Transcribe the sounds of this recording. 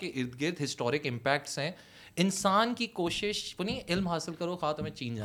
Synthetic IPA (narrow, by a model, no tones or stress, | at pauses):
keʔɪɾd̪ɡɪɾd̪ʱɦɪsʈɔːɾɪkɪ̃mpɛːk̚ʈsɦɛ̃ | ɪnsaːnkikoːʃɪʃʋɐnĩʔɪlmɦaːsɪlkɐɾoxaːt̪ɐmẽt͡ʃiːnd͡ʒaː